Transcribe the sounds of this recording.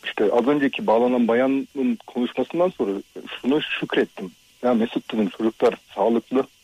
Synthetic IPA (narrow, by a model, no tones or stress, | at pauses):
iʃt̪ʰɛʔɑzønd͡ʒekʲʰibɑːlˠɑnɑnbɑjɑnːɯnkʰonuʃmɑsɯnd̪ɑnso̞nɾaʃunuʃykʲɾet̪ːɪm | jamesut̪ːinint͡ʃʰod͡ʒuklˠɑɾsɑːlˠɯqlˠɯ